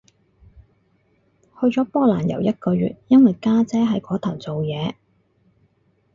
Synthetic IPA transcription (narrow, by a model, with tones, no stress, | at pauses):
hɵ˧ɥt͡sɔː˨˥pɔː˥k̚laː˨˩njɐ˨˩wjɐ˥t̚kɔː˧ɥy̰ː˨t̚jɐ˥nwɐ˨jkaː˥t͡sɛː˥ɦɐ˨˥jkɔː˨˥t̪ʰɐ˨˩wt͡so˨wjɛː˨˧